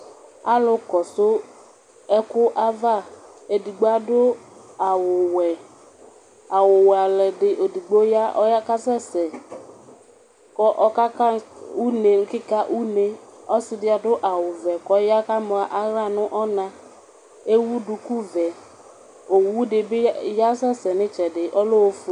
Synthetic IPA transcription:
a̰˦lʊ˨kɔ˨sʊ˦ | ɛ˦kʊ˦ʔa˦va˦˨ | e˨di˨ɡ͡bo˦a˦dʊ˦a˨wʊ˨wɛ˨ | a˨wʊ˨wɛ˨a˨lɛ˨dɪ˨ʔo˨di˨ɡ͡bo˦ja˦ʔɔ˦ja˦ka˦sɛ˦˨sɛ˨ | kɔ˦ʔɔ˨ka˦ka˦u˦ne˨ŋ̩˦kɪ˦ka˦ʔu˦ne˦ɔ˦sɪ˨dɪ˦a˨dʊ˦ʔa˨wʊ˨vɛ˨kɔ˨˦ja˦ka˦mɔ˨a˨ʔa˦ɾa˦˨nʊ˦ʔɔ˦nã˦ | e˦wu˦dʊ˨ku˦vɛ˨ | o˨wu˦dɪ˨bɪ˦ja˦sɛ˦sɛ˨nɪ̃˦t͡ʃɛ˨dɪ˨ʔɔ˦lo˦o˦f

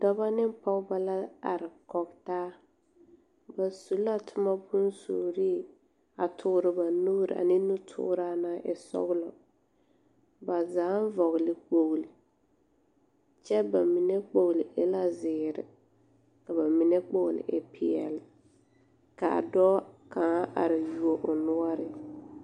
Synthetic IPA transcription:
dɔ˦ba˦nɪ˦m˦pɔ˦ɡba˨la˦a̰˨ɾɪ˨kɔ˨ktaː˦ | ba˨su˨la˦tʰʊ˦ma˦bʊ˦nso̰ː˨ɾi˦˨ | a˨tʰʊ˨˦ɾɪ˨ba˨nu˦ɾɪ̰˨a̰˨nɪ˦nu˦tʰʊ̰˦ɾa˦naː˦ʔɪ˨sɔ̰˦ɣlɔ̰˨ | ba˨zaː˨˦n˦vɔ˨ɣlɪ˨k͡po˨ɣli˨ | t͡ʃɛ˦ba˨mi˨nɛ˦k͡po˨ɣlɪ˨ʔɪ˦la˦zɪː˨ɾɪ̰˨ | ka˨ba˨mɪ˨nɛ˦k͡po˦ɣlɪ̰˨ʔɪ˦pʰɪ˨ɛ̰˨lɪ˨ | ka˨a̰˨dɔː˦ka˨ŋa˦ʔa̰˨ɾa˨ju˨o˨ʔʊ˨nʊ˦ɔ˦ɾɪ˦

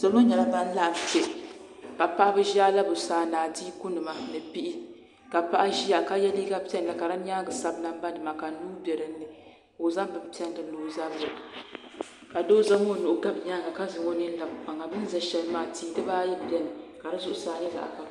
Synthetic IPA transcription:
sa˨lo˦ɲɛ˨la˦ba˦n̩˦la˦ʔm˨pe˨ka˨pa˦ʔa˦bɨ˦ʒa˦la˦bʊ˨saː˨naː˨diː˦ku˦nɨ˨ma˦nɨ˨pi˦ʔi˦ | ka˨pa˦ʔa˦ʒi˦ja˨ka˦jɛ˦li˦ɡa˦pʲɛ˦n˨la˨ka˨ɾa˦ɲa˦ɡɨ˨sa˦bna˦m˦ba˦dɨ˨ma˨ka˨nuː˦bɛ˨ɾɨ˦nː˦ɨ˨ | o˨za˦m˦bɨ˨mpi˦ɛ˦n˨dɨ˨loː˦za˦bo˨ | ka˨doː˦za˦mo˦˨nʊ˨ʔʊ˦ɡa˦bɲa˦ɡa˨ka˦zɨ˨ŋɔ˦nɨ˦n˦la˨ba˨ŋa˨bɨ˦n˦za˨ʃɛ˨lmaː˦tiː˦dɨ˦baː˦jɛ˦˨bɛ˦nɨ˨ka˨ɾɨ˦zʊ˦ʔʊ˦saː˨nɨ˦za̰˨ʔa̰˨ka˨

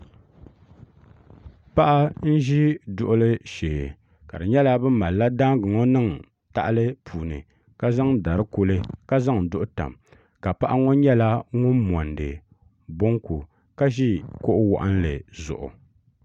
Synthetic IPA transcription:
pa˦ʔa˦n̩˦ʒi˦dʊ˨ʔʊ˦lɨ˦ʃeː˨ | ka̰˨dɨ˨ɲɛ˦la˦bɨ˦ma˨lla˦da˦ŋɡɨ˨ŋɔ˦nɨ˦ŋ˨ | ta̰˨ʔlɨ˦pʰuː˨nɨ̰˨ | ka˦za˦ŋda˨ɾɨ˦ko˦lɨ˦ka˦za˦ŋ˨dʊ˦ʔʊ˦ta̰˨m | ka˨pa˦ʔa˦ŋo˦ɲɛ˦la˦ŋʊ˦nmɔ˨ndɨ˨ | bo˦ŋku˨ | ka˦ʒi˦ko˦ʔʊ˦wɔ̰˨ʔa˦n̩˦lɨ˨zʊ̰˨ʔʊ̰˨

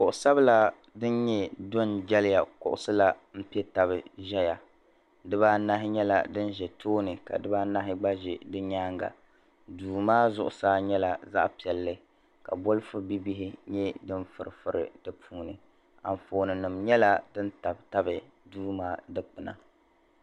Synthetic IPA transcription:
kʊ˨ʔʊ˨sa˦bla˦ | dɨ˦n˦ɲɛ˦do˦nd͡ʒɛ˦lɪ˦ja˨kʊ̰˨ʔʊ˨sɨ˦la˦m̩˦pi˦ɛ˦ta˨βɨ˨ʒɛ˦ja˨ | dɨ˦ba˦na˦ɦɪ˦ɲɛ˦la̰˨dɨ˦n˦ʒɛ˨tʰoː˦nɨ˨ka̰˨dɨ˦ba˦na˦ɦɪ˦ɡ͡ba˦ʒɛ˨dɨ˦ɲaː˦ŋɡa̰˨ | duː˨maː˦zʊ˨ʔʊ˨saː˦ɲɛ˦la˨za̰˦ʔpi˨ɛ˨lːɨ˦ | ka˨bo˦lfʊ˦bi˦bi˦ɦɪ˦ɲɛ˦dɨ˦nfɨ˨ɾɨ˨fɨ˦ɾʔɨ̰˨dɨ˦pʰuː˦nɨ˨ | a̰˨ɱ˨foː˨nɨ˨nɨ˨mɲɛ˦la˦dɨ˦n˦ta˨bta˦bɨ˨ | duː˦maː˦dɨ˦k͡pɨ˨na̰˨

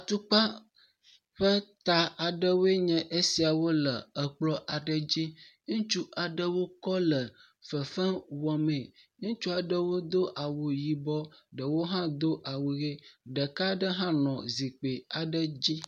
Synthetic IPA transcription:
a˨t̪u˦k͡pa˦ | ɸə˦t̪a˨a˨ɖə˦wo˦e˦ɲɛ̃˨ʔe˦si˨a˨wo˦lə˨ə˨k͡plɔ˦ʔa˨ɖə˦d͡ʑi˦ŋũ˦t͡ʃu˦ʔa˨ɖə˦wo˦kɔ˦lə˨ | fə˨fə˦wɔ˨mẽ˨ŋũ˦t͡ʃu˦a˨ɖə˦wo˦d̪o˦ʔa˨wu˨ji˨bɔ˦ɖə˨wo˦ɦã˦d̪o˦ʔa˨wu˨ɣe˦ɖə˨ka˦ɖə˦ɦã˦nɔ̃˨zi˨k͡pe˨a˨ɖə˦d͡ʑi˦

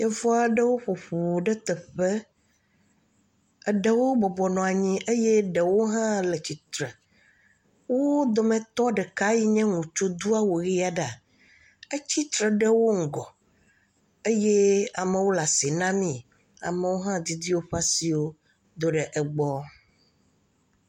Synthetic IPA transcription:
jɛ˦vɔ˦a˨ɖɛ˦wo˦ɸo˨ɸo˨ɖɛ˦t̪ɛ˨ɸɛ˦ | ɛ˨ɖɛ˨wo˦bɔ˨bɔ˨nɔ̃˨a˨ɲĩ˦ʔe˦je˦ɖɛ˨wo˦ɦã˦lɛ˨t͡ɕi˨t̪ɾɛ˨ | wo˦d̪o˨mɛ̃˨t̪ɔ˦ɖɛ˨ka˦ji˦ɲɛ̃˦ŋũ˨t͡ʃo˦d̪u˦a˦wo˨ɣi˦a˦ɖɛ˨a˨ | e˦t͡ɕi˦t̪ɾɛ˨ɖɛ˦wo˦ŋ̩˨ɡɔ˨ | e˦je˦a˨mɛ̃˨wo˦la˨si˨nã˦mĩ˦ | a̰˨mɛ˨wo˦ɦã˦d̪i˦d̪i˦wo˦ɸa˦si˨wo˦ | d̪o˦ɖɛ˨ʔɛ˨ɡ͡bɔ˦

